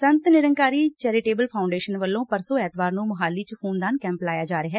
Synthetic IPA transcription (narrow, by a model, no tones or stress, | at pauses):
sənt̪nɪɾəŋkaːɾiːt͡ʃɛːɾɪʈeːbəlpʰaːʊɳɖeːʃənʋəlːõːpəɾsõːɛːt̪baːɾnũːməɦaːlːiːt͡ʃpʰoːnd̪aːnkɛ̃ːmplaːjaːd͡ʒaːɾeɦɛː